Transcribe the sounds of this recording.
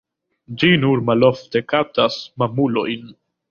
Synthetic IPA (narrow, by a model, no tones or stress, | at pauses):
d͡ʒinuɾmalofte̞katasmamulo̰jn